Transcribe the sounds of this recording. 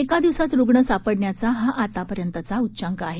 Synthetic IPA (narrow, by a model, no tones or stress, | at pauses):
ekad̪iʋsat̪ɾuɡɳəsapəɽɳjat͡saɦaʔat̪apəɾjənt̪ət͡sautːt͡ɕaŋkəaɦe